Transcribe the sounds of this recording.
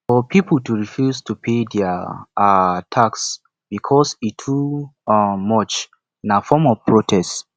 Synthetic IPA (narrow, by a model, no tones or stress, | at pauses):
fɔpʰipəl̩ˠtuɹifjuztʰupʰedɛ | tʰaks | b̥ikʰɔsitʰu | mɔt͡ʃ | ĩnafɔmɔvpʰɹotʰɛs